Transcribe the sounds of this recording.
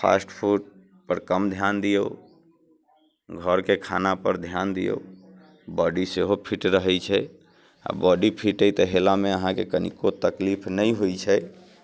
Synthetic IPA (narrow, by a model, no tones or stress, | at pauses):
pʰa̰sʈpʰuʈ̚ | pəɾkəmd̪ʱjand̪ijo | ɡʱəɾkekʰa̰napəɾd̪ʱjand̪ijo̰ | bɔɖiseɦopʰiʈɾəɦɛt͡ʃʰɛ | a̰bɔɖipʰiʈəjt̪əɦelameəɦãkekənḭkot̪əklipʰnəiɦojt͡ʃʰɛ